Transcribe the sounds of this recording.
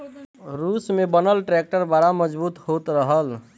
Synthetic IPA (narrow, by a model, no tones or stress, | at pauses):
ɾusmebənəlʈɾek̚ʈəɾd̪aɾaməd͡ʒbut̪hot̪ɾəɦəl